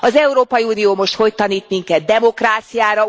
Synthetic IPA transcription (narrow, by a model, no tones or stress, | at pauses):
ɒzɛuɾoːpɒjiuːnioːmo̞ʃt̪ho̞ct̪ɒniːt̪miŋkɛd̪̚dɛmo̞kraːt̪sijaːɾɒ